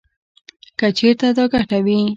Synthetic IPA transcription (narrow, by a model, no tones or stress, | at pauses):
kat͡ʃeɾt̪ad̪oɡaʈawi